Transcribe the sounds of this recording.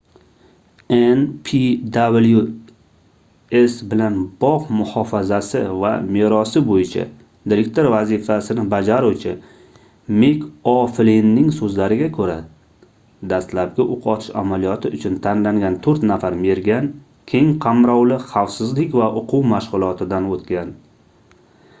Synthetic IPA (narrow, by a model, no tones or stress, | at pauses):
enpʰid̪ablju | e̞sbɪlanbɒqmʊhɒfazasɪva̰meɾɒsɪbojɪt͡ʃʰa̰ | d̪ɪɾekʲt̪ʰoɾvazɪfasɪnɪbad͡ʒaɾuwt͡ʃʰɪ | mekʰɒflinːɪŋsɵzlaɾɪɡʲakʰɵɾa | d̪ast̪lap̚ɡʲaʔoqʰɒt̪ʰɪ̥ʃa̰malijɒt̪ʰɪʊt͡ʃʰʊnt̪ʰanlaŋɡʲant̪ʰɵɾt̪nafaɾme̞ɾɡʲan | kʲʰe̞ŋqʰamɾɒwlɪχawsɪzlɪkʲvaʔʊqʰʊwmaʃʁʊlˠɒt̪ʰɪd̪anot̪kʲan